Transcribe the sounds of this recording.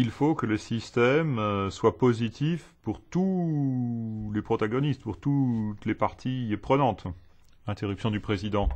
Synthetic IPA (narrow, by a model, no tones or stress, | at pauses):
ilfokələsist̪ɛmswapozit̪ʰifpuʁt̪u | lepχɔt̪aɡɔnist̪puʁt̪ut̪lepaʁt̪ʰipχənɑ̃t̪ | ɛ̃t̪eʁypsjɔ̃d̪ypχezid̪ɑ̃